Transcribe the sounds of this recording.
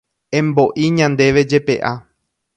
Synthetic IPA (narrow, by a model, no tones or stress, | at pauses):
ẽ̞mbo̞ʔiɲãnd̪e̞ʋe̞d͡ʒe̞pe̞ʔa